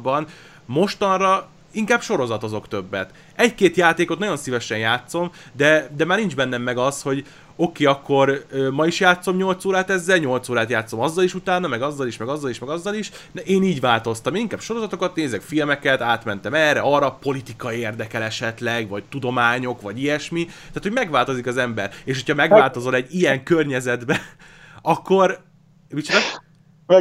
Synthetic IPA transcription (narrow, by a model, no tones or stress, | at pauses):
bɒn | mo̞ʃt̪ɒnrɒ | iŋkaːb̥ʃo̞ɾo̞zɒt̪ɒzo̞kt̪ø̞bːɛt̪ | ɛckeːt̪jaːt̪eːko̞t̪nɒjo̞nsivɛʃɛnjaːt̪so̞md̪ɛd̪ɛmaːrnind͡ʒbɛnːɛmːɛɡɒsho̞ɟ | o̞keːɒkːo̞røːmɒiʃjaːt̪so̞mɲo̞lt̪soːɾaːt̪ɛzːɛlɲo̞lt̪soːɾaːt̪jaːt̪so̞mɒzːɒliʃut̪aːnɒmɛɡɒzːɒliʃmɛɡɒzːɒliʃmɛɡɒzːɒliʃ | nɛʔeːniːɟʋaːlt̪o̞st̪ɒmeːniŋkaːb̥ʃo̞ɾo̞zɒt̪o̞kɒt̪neːzɛkfilmɛkɛt̪aːt̪mɛnt̪ɛmɛːrɛɒrɒpo̞lit̪ikɒieːrd̪ɛkɛlɛʃɛt̪lɛɡvɒct̪ud̪o̞maːɲo̞kʋɒɟijɛʃmit̪aːt̪oɟmɛɡʋaːlt̪o̞zikɒzɛmbɛreːʃho̞cʰhɒmɛɡvaːlt̪o̞zo̞lɛɟijɛŋkørɲɛzɛd̪bɛ | ɒkːo̞r | mit͡ʃd̪ɒ